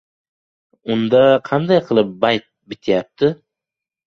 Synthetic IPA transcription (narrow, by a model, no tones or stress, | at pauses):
ʊnd̪aqʰɑnd̪ajqʰɨlˠɪp̚bajt̪̚bɪt̪ʰjap̚t̪ʰɪ